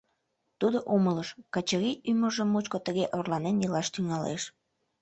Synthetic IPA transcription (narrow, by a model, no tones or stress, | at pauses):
t̪ud̪oʔomələʃkɑt͡ɕəɾiʔyməʒəmːut͡ɕkot̪əɣeʔorlɑnenjilɑʃt̪yŋɑlḛʃ